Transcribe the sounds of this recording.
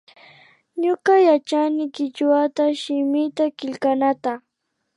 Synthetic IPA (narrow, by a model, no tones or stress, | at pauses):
ɲʊkajat͡ʃanɪkɪt͡ʃwat̪aʃɪmɪt̪akɪʎkanat̪a